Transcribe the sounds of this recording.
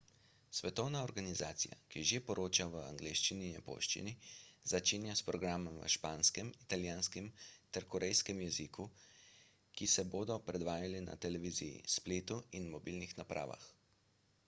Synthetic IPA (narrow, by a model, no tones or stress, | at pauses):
sʋɛt̪ɔwnaɔɾɡanizaːt̪sija̰kiʒepɔɾʔoːt͡ʃaʋəa̰ŋɡleːʃt͡ʃininɛpo̰ːʃt͡ʃḭniz̥at͡ʃeːnjaspɾɔɡɾaːmɔmʋə̰ʃpaːnskɛmit̪aljaːnskɛmt̪ɛɾkɔɾɛjskɛmjɛzikʰu | kisɛboːd̪ɔpɾɛd̪ʋaːjalina̰t̪ɛlɛʋiːzijḭspleːt̪uinmɔbilnixnapɾʔa̰ːʋa̰x